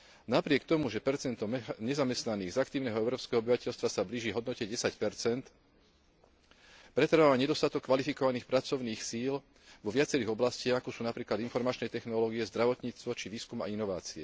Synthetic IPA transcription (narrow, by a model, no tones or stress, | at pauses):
napɾɪɛkt̪ɔmuʒɛpɛɾt͡sɛnt̪ɔmɲɛzamɛst̪naniːɣzakt̪iːʊnɛɦɔɛʊɾɔːpskɛɦɔɔbiʋacɛʎst̪ʋasabliːʒiːɦɔd̪nɔcɛɟɛsacpɛɾt͡sɛnt̪ | pɾɛt̪ɾ̩ʋaʋaɲɛd̪ɔst̪at̪ɔkːʋalifikɔʋaniːxpɾat͡sɔʊniːxsiːl | ʋɔʋɪat͡sɛɾiːɣɔblascɪaɣakɔsuːnapɾiːklad̪infɔɾmat͡ʃnɛjt̪ɛxnɔlɔːɡiɛzd̪ɾaʋɔt̪ɲiːt͡st̪ʋɔt͡ʃiʋiːskuma̰inɔʋa̰ːt͡siɛ